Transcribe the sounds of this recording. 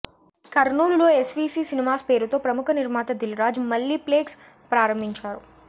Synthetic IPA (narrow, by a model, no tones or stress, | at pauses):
kɐɾnuːluloːesʋiːsiːsinimaːspe̞ːɾut̪o̞ːpɾɐmukʰɐniɾmaːt̪ɐd̪ilɾaːd͡ʒmɐlːipleːks | pɾaːɾɐmbʱiɲt͡ʃaːɾu